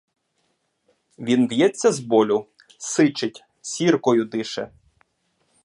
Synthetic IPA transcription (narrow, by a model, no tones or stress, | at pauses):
ʋʲinʋjɛt͡sʲːɐzbɔlʲʊ | sɪt͡ʃɪtʲ | sʲirkɔjʊd̪ɪʃɛ